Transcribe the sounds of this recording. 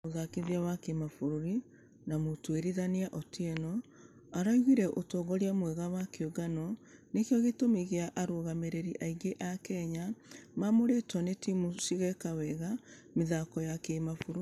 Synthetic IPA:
oðakeðiawakemafoɾoɾi | namotweɾiðaneaʔɔtʰiɛnɔ | aɾaiɣiɾɛʔotɔɣɔɾiamwɛɣawakeoɡanɔnekjɔɣetomiɣeaʔaɾoɣameɾeɾiʔaiɡeʔakɛɲamamoɾɛtɔnetimusiɣɛkawɛɣa | meðakɔjakemafoɾ

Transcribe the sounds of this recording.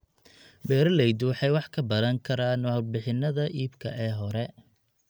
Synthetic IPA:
bɛːɾɐlɛjd̪uħɛjwɑħkʰɐbɐðɐŋkʰɐɾaːnɔhɐlbɪħɪnːɐðɐʔiːbkʰɐʔɛːɦɔɾɛ

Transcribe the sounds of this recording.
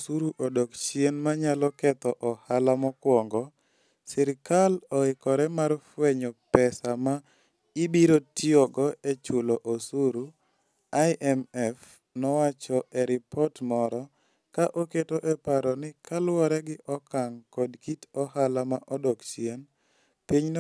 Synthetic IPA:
suɾuʔodɔkt͡ʃienmaɲalɔkɛt̪ɔʔɔhalamɔkwɔŋɡɔ | sɪɾkalɔɪkɔɾɛmarfweɲɔpɛsama | ibiɾotiɔɡɔet͡ʃʊloʔosuɾu | ajʔɛmɛf | nɔwat͡ʃɔʔeɾɪpɔrtmɔɾɔ | kaʔoketoʔɛpaɾɔnɪkalwɔɾɛɡɪʔɔkaŋkɔdkitɔhalamaʔɔdɔkt͡ʃien | piɲn

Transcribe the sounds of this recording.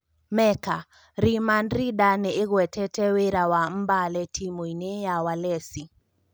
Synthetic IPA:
mɛka | ɾimanɾiɗanɛːɣwɛtʰɛtɛweɾawam̩balɛtʰimuinɛjawalɛsi

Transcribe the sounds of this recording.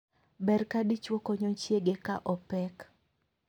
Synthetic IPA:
bɛrkadit͡ʃwokoɲot͡ʃjeɡekaʔɔpɛk

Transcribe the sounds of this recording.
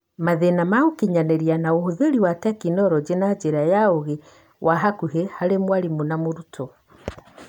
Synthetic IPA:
maðenamaokiɲanɛɾianaohoðeɾiwatɛkinɔɾɔd͡ʒenad͡ʒeɾajaoɣe | waɦakuɦehaɾemwaɾimonamoɾutɔ

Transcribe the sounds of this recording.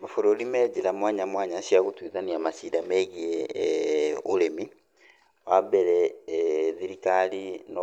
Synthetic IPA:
mafoɾolimɛːd͡ʒilamwaːɲamwaːɲaʃiaɣutwiðaniamasidamɛɣiɛ | oɾemi | wabɛɾɛ | ðiɾikalinɔ

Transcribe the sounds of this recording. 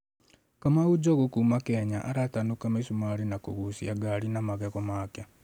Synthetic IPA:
kamaud͡ʒɔɣokuːmakɛɲaʔaɾatanukamesumaɾinako̰ɣusiaɡaɾinamaɣɛɣɔmaka

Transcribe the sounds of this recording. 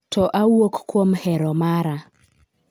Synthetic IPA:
tɔʔawokkwomhɛɾɔmaɾa

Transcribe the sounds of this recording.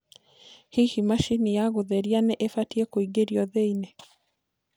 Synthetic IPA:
hihimaʃinijaɣoðɛɾianɛʔefatiɛkoiɡeɾiɔðeinɛ

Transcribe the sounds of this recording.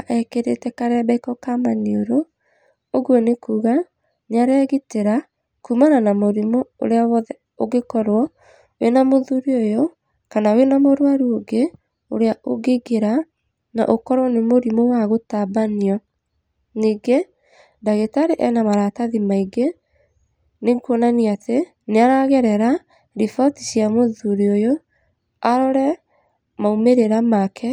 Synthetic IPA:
aʔɛkeɾetɛkaɾɛbɛikɔkamanioɾoː | ɣwɔnekuːɣa | naɾɛːɣiteɾa | kumananamoɾimɔo̰ɾeaβɔðɛ | oɣekɔɾwɔ | wenamoðuɾiojɔ | kanawenamoɾwaɾuoɡe | o̰ɾeaʔoɡeɣeɾa | na̰ʔokɔɾwɔnemoɾimɔwaɣotabaniɔ | niːɡe | daɣetaɾeʔɛnamaɾataðimaiɡe | nekuɔnaniate | neaɾaɣɛɾɛɾa | ɾifɔtisiamoðuɾiojo | aɾɔɾɛ | maumeɾeɾamakʰɛ

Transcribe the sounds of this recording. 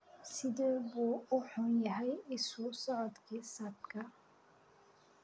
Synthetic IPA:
sɪðɛbuːʊħʊnjɐɦɛjɪsʊsɔʕɔd̪kʰiːsɐb̚kʰɐ

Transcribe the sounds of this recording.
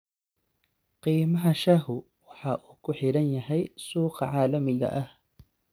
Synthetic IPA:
qiːmɐɦɐʃɐɦʊ | wɑħɑːʔuːkʰʊħɪɾɐnjɐɦɛjsuːqɑʕɑːlɐmɪɣɐ̰ʔɐh

